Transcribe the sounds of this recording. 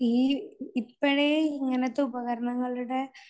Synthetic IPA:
iɪpːɐɽeːɪŋɛnɐt̪ːɯʊbɐɣɐɾɐɳɐŋɡɐɭɯɽɐ

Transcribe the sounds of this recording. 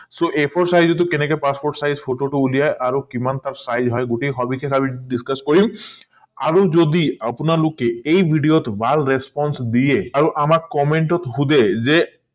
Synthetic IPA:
soʔepʰɔɾsajzɔt̪̬ukenekɔpaspoɾʈsajzpʰoʈoʈuulijajʔaɾokimant̪aɾsajzɦɔjɡuʈikʰɔbikʰekʰabiɖiskaskɔɹim | aɾod͡ʒod̪iapunalokeejbʱiɖijot̪bʱalɾespɔnsd̪ijeaɾuʔamakkːɔmeɳʈɔt̪ɦud̪eze

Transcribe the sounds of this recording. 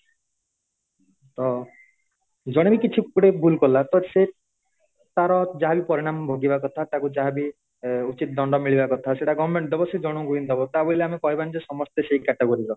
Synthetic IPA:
t̪ɔ | d͡ʒɔɽ̃ebikit͡ʃʰiuɽebʱulkɔlat̪ɔse | t̪aɾɔd͡ʒaɦabipɔɾiɽ̃ambʱoɡibakɔt̪ʰat̪akud͡ʒaɦabi | ut͡ʃit̪̚d̪ɔɳɖɔmiɭibakɔt̪ʰaseʈaɡɔɔmẽɳʈd̪ebɔsed͡ʒɔɽ̃ũɡuind̪ɔbɔt̪aboiliamekɔɦibanid͡ʒesɔmɔst̪eseikaʈeɡɔɾiɾɔ

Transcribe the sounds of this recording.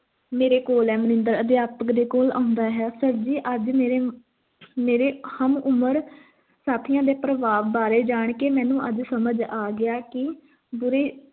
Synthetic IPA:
meːɾeːkoːlɛːmənɪ̃nd̪əɾəd̪jaːpəkd̪eːkoːlã̰ːʊ̃nd̪aːɦɛːsəɾd͡ʒiːʔəd͡ʒmeːɾeː | meːɾeːhəmʊməɾ | saːt̪ʰɪjãːd̪eːpɾəʋaːʋbaːɾeːd͡ʒaːɳkeːmɛ̃ːnũːʔəd͡ʒsəməd͡ʒaːɡɪaːkɪ | bʊɾeː

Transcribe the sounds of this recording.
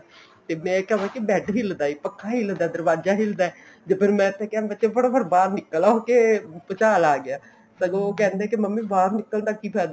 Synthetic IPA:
t̪eːmɛ̃ːkɛʋãːkibɛːʈɦɪld̪aːiːpəkʰːaːɦɪld̪aːd̪əɾbaːd͡ʒaːɦɪld̪aːɛ | d͡ʒeːpʰɪɾmɛ̃ːt̪ʰːɛ̃ːkãbɛt͡ʃẽːbəɽobəɾbaːɾnɪkːəlaoːkeːpət͡ʃaːlaːɡɪaː | səɡõoːkɛ̃ːnd̪eɛːkiməmːĩːbaːɾnɪkːəld̪aːkːiːpʰɛːd̪

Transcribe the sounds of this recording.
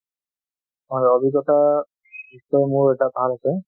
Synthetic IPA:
ɔobʱiɡɔta | istɔmʊɹɛtabʱalasɛ

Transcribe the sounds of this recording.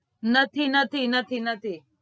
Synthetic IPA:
nɐt̪ʰinət̪ʰinət̪ʰinət̪ʰi

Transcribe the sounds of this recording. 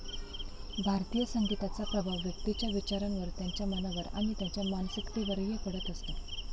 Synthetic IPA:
bʱaɾt̪ijəsəŋɡʱit̪at͡sapɾəbʱaʋjəkt̪it͡ɕjaʋit͡ɕaɾənʋəɾt̪jaɲt͡ɕjamənaʋəɾa̰m̃it̪jaɲt͡ɕjamansikt̪iʋəɾjepəɽət̪əst̪a

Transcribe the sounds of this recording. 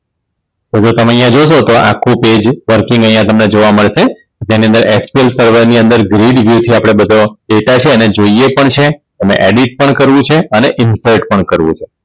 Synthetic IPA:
t̪od͡ʒot̪əməjãd͡ʒoʃot̪oʔakʰːũped͡ʒʋəɾkɪŋɡəjãt̪əmned͡ʒoʋaməɭʃe | d͡ʒeniənd̪əɾɛspielsəɾʋəɾniənd̪əɾɡɾiɖʋjut̪ʰiapɽ̃ebəd̪ʱoɖeʈat͡ʃʰeəned͡ʒoijepəɳt͡ʃʰet̪əmḛ̃ʔeɖiʈ̚pəɳkəɾʋũt͡ʃʰeəneʔɪnsəɾʈpəɳkəɾʋṵ̃t͡ʃʰe

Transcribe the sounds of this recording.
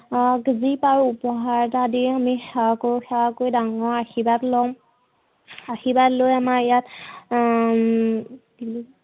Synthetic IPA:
ɡzipaɹupɔɦaɹtadiɹamixɛwakoxɛwakojdaŋɔɹaxibatlɔm | axibatlojamaijat | il

